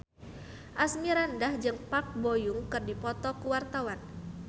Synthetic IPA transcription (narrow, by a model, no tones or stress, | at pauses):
ʔasmiɾandahd͡ʒɨŋpak̚bojuŋkɨrdipɔt̪ɔkuwart̪awan